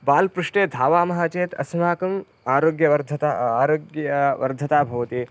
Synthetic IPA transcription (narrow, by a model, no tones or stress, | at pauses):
baːlpɾuʂʈeːd̪ʱaːʋaːmɐɦaːt͡ʃeːt̪ɐ̰smaːkɐm | aːɾoːɡjɐʋɐɾd̪ʱɐt̪aːaːɾoːɡjɐʋɐ̰ɾd̪ʱɐt̪aːbʱɐʋɐt̪iː